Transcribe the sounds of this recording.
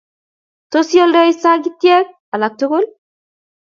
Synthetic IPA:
to˦sjɔ˦ldɔ˦i˦sa˦ɡi˦tjɛ˦k̚ | a˨la˨k̚tʊ˦kʊ˦l

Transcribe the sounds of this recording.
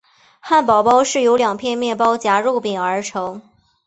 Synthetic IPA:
xa˥˩npɑ˨˩ʊpɑ˥ʊʂɻ̩˥˩jo˧˥ʊljɑ˨˩ŋpʰjɛ˥˧nmjɛ˥˩pɑ˥ʊt͡ɕja˧˥ɻu˥˩pi˨˩ŋə˞˧˥ʈ͡ʂʰɤ˧˥ŋ

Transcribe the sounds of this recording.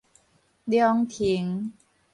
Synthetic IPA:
d̪jɔ˧ŋt̪ʰi˨˩˦ŋ

